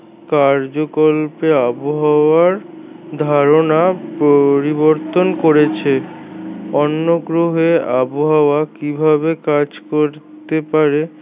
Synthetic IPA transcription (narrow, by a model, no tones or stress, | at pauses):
kaɾd͡ʑokolpeaboɦaoaɾ | d̪ʱaɾonapoɾiboɾt̪onkoɾet͡ɕʰe | ɔnːoɡɾoɦeaboɦaoakibʱabekad͡ʑkoɾt̪epaɾe